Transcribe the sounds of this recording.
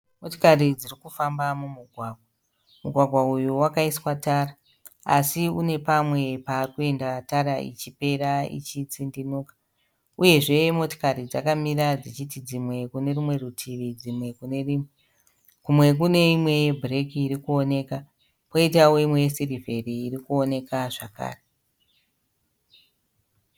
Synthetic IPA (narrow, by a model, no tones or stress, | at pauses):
moto̥karid͡zirikufambamumuɡʱwaːɡ̚ʱwa | muɡʱwaɡʱwaujuwakaiswataːra | a̰siune̞pamwe̞paːrikue̞ndataɾaʔḭt͡ʃipe̞ɾaḭt͡ʃit͡sindinuːkḁ | uje̞ʐe̞mo̞to̥kaɾid͡zakamiɾad͡zit͡ʃitid͡zimwe̞kune̞rumwe̞rutʰiʋid͡zimwe̞kunei | kumwe̞k̬une̞imwe̞jebʱrekiːɾikuone̞ːka | poitaweimwe̞jesirive̞riːrikuone̞kaʐaka̰ːre